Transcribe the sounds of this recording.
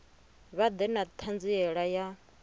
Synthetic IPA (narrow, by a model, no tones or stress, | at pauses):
βad̪ɛnat̪ʰand͡ziɛɺaja